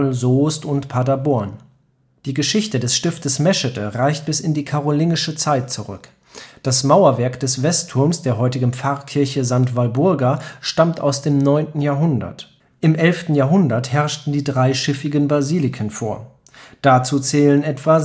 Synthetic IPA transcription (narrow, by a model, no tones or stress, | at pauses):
lzoːstʊntpʰadabɔɐn | d̥iːɡəʃɪçtədɛsʃtɪftəsmɛʃətʰəʁaɪçt̚b̥ɪsɪndiːkʰaʁoliːnɪʃət͡saɪt̚t͡suʁʏ̰k | d̥asmaʊɐvɛɐkd̥ɛsv̥ɛstʰʊɐmsd̥eːɐɦɔʏtɪɡn̩p͡faɐkʰɪɐçəzaŋtv̥albʊɐɡaʃtamta̰ʊsd̥eːmnɔʏntn̩jaːɐɦʊndɐ̰t | ʔɪmʔɛlftn̩jaːɐɦʊndɐthɛɐʃtn̩diːdʁaɪʃɪfɪɡənbaziːlɪkʰənfoːɐ | d̥at͡suːt͡sɛːlənʔɛtv̥a